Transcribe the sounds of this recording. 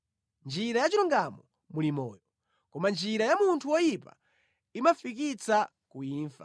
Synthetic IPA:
nd͡ʒiɾajat͡ʃiɾɔŋɡamɔ | mulimɔ̰ːjɔ | kɔmand͡ʒiɾajamuntʰuwɔjipa̰ | imafik̬it͡sa | kuiːnfḁ̰

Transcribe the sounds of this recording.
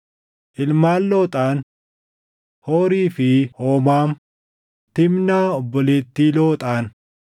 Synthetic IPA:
ʔɪlmaːnloːt̪ʼaːn | hoːɾiːfɪhoːmaːm | t̪ɪmnaːɔbːɔleːt̪ːiːlo̞ːt̪ʼaːn

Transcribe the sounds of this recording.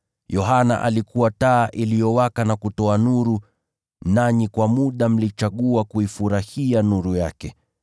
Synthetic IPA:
jɔɦana̰ʔa̰likuwataːʔilijɔwakanakutɔanuɾu | naɲikwamuɗam̩lit͡ʃaɠuakuifuɾahianuɾuja̰kɛ

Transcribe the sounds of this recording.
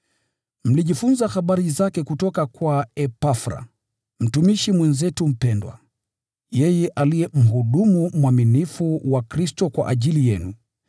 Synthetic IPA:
m̩liʄifunzaxaɓaɾizakɛkutɔkakwaɛpafɾa̰ | m̩tumiʃimwɛnzɛtum̩pɛndwa̰ | jɛjɛʔalijɛm̩ɦuɗumumwaminifuwakɾistɔkwa̰ʔaʄilijɛnu

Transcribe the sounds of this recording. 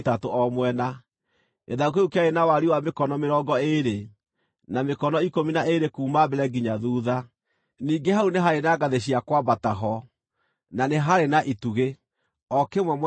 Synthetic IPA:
tatoɔmwɛna | ḛðaukeukeaɾenawaɾiwamekɔnɔmeɾɔːɡɔeɾe | namekɔnɔikominaeɾekuːmabɛɾɛɡiɲaðuːða | niːŋɡeɦauneɦaɾenaɡaðeɕiakwabataɦɔ | naneɦaɾenaʔituɣe | ɔkemwɛm

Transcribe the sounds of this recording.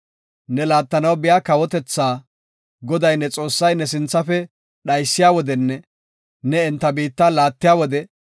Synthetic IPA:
nɛlaːt̪ːɐnɐwbɪjaːkɐwɔt̪ɛt͡sːaː | ɡɔd̪ɐjnːɛt͡sʼo̞ːsːɐjnɛs̬ɪnt͡sːɐfɛ | ɗɐjsːɪjaːwɔd̪ɛnːɛ | nɛɛnt̪ːɐbiːt̪ːalaːt̪ːɪjaːwɔd̪ɛ

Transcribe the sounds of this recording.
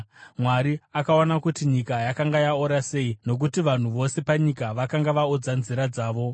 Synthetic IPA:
mwaɾiakaonakutiɲikajakaŋɡajaoɾase̞ino̞k̬utiʋan̤uʋo̞se̞paɲikaʋakaŋɡaʋaod͡zanziɾad͡zaːʋo̞

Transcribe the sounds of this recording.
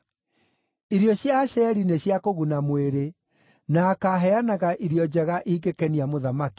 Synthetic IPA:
iɾjɔɕjaɕɛɾineɕjakoɣunamweɾe | nakaɦɛanaɣaʔiɾjɔd͡ʑɛɣaʔiɡekɛniamoðamaki̥

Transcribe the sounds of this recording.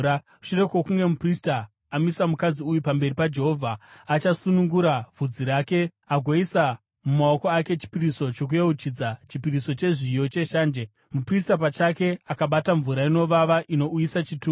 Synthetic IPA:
a | u̥ʃire̞kwokuŋɡe̞mupristaː | misamukad͡ziujupambe̞ripad͡ʒe̞ɦo̞vʱaːt͡ʃasunuŋɡuɾavʱud͡ziɾaːke̞ | aɡʱwaisa | mumao̞ko̞ake̞t͡ʃi̥piriso̞t͡ʃo̞k̬ujeut͡ʃid͡zat͡ʃipiriso̞t͡ʃe̞ʐijo̞t͡ʃe̞ʃaːnd͡ʒe | mupristapat͡ʃake̞akaɓataɱvuɾaino̞ʋaʋaʔino̞ujisat͡ʃituː

